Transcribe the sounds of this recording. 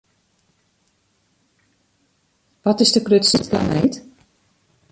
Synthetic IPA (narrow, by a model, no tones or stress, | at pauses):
ʋɔtɪsdəkrøtsitkla̰nejt